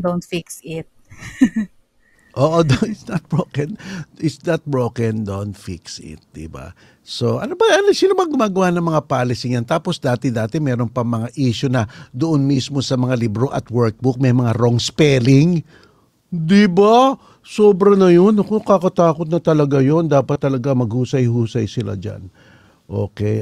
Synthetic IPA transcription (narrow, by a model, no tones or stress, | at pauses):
d̪ownt̪fiksɪt̪̚ | ʔoːʔod̪oɪsnɐt̪̚bɹokɛnʔɪsd̪ɐt̪̚bɹokɛnd̪ont̪fiksɪ̰t̪̚d̪ɪ̰ba̰ | so̞ʔɐ̰nobɐʔɐnlɐsɪnomɐaɡʊmaːɡɐwanɐŋmɐŋapaːlɪsɪŋjɐnt̪aːpo̞sd̪aːt̪ɛd̪aːt̪ɛmɛːɾo̞npɐŋmɐŋaʔiːʃʊnɐd̪ʊʔonmismo̞sɐmɐŋalibɾoʔɐ̰t̪̚wɛɹk̚buk̚mɐjmɐŋaɾoŋspɛːlɪŋ | d̪ɪba | soːbɾɐnɐjo̞nɐkokakɐt̪aːkot̪̚nɐt̪ɐlɐɡajo̞nd̪aːpɐt̪ːɐlɐɡamɐɡhuːsɐjhuːsɐjsɪla̰d͡ʒa̰n | ʔo̰ːkɛ